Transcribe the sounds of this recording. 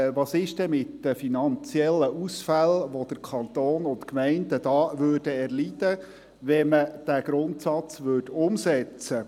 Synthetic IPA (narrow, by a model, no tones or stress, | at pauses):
ʋɑsɪʃd̥ɛmɪt̪dəfinɑnt͡sjɛlːəʔusfælʋod̥̪əɾkʰɑnt̪oːnʊnt̪kmɛɪndəd̥ɑːʋøːɾd̥əɛɾlid̪̥ə | ʋɛməd̥æɡ̥ɾʊnt̪sɑt͡sʋøːdʊmsɛt͡sə